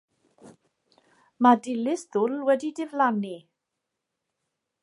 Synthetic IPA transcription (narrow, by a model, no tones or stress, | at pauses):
madɪlɪsðʊlwɛdidɪvlani